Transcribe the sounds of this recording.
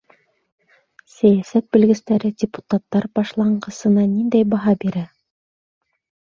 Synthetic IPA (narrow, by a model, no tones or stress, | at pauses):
sæjæsæt̪̚bɘ̆lɡɘ̆st̪æɾɘdʲɪpu̥t̪at̪ːɑɾbɑʃlˠɑɴɢɤ̆sɤ̆nɑnind̪æjbɑɦɑbiɾæ